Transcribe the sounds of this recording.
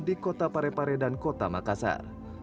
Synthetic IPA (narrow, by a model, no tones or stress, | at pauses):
dikɔt̪apaɾɛpaɾɛdankɔt̪amakasa̰r